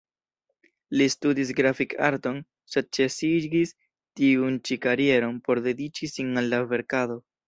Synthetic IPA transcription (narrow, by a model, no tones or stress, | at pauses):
listudis̬ɡɾafikʰaɾto̞n | se̞d̚t͡ʃe̞siɡis | tiunt͡ʃikaɾie̞ɾo̞npo̞ɾde̞dit͡ʃisinalːave̞ɾkado̞